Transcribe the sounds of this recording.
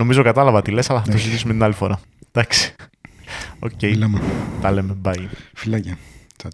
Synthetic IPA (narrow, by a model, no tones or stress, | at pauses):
no̞mizo̞kɐt̪ɐlɐvɐt̪ile̞sɐlɐθɐt̪osizit̪isumet̪inɐlifo̞ɾʔɐ | d̪̥ɐksi̥ | o̞̰cejlɐmt̪ɐlemebɐjfilɐce